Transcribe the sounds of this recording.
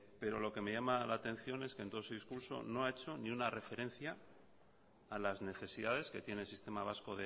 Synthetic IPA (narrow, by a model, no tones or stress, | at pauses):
pe̞ɾo̞lo̞ke̞me̞ʝamalaːt̪e̞n̟θjo̞ne̞skent̪o̞oseðiskuɾso̞̰no̞aet͡ʃo̞niunare̞fe̞ɾe̞n̟θja | lazne̞θe̞siðað̞e̞ske̞t̪je̞nelsist̪e̞maβ̞asko̞ðe